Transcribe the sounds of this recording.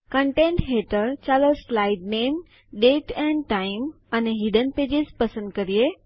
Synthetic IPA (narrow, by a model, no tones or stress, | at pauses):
kə̃ɳʈẽɳʈɦeʈəɾt͡ɕaloslaɪɖneːm | ɖeːʈɛ̃ɳɖʈaɪm | ɐneɦiɖənpeːd͡ʑizpɐsə̃nd̪kəɾie